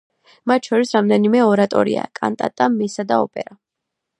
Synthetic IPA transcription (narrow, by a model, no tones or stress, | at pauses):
mat̪ʰʃɔɾisɾamd̪ɛnimɛɔɾat̪ʼɔ̰ɾḭa̰kʼa̰nt̪ʼa̰t̪ʼamɛsad̪aɔ̰pʼɛ̰ɾa